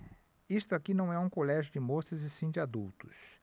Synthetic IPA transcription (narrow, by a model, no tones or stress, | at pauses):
ist̪ʊakinɐ̃w̃ɛũkolɛʒjʊd͡ʒɪmosɐzɪsĩd͡ʒɪad̪uwt̪ʊs